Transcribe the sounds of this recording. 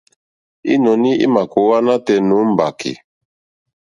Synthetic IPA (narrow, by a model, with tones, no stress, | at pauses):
ḭ˦nɔ˨ni˦ḭ˦ma˨ko˨wa˦na˦tɛ˨nu˨˦m̩˨ba˨kḭ˨